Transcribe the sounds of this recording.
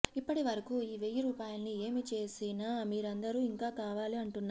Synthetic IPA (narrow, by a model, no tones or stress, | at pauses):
ipːɐʈiʋɐɾɐkuiːʋejːɐɾuːpaːjɐlnieːmit͡ʃe̞ːsinaːmiːɾɐnd̪ɐɾuːiŋkaːkaːʋaːliɐɳʈunːa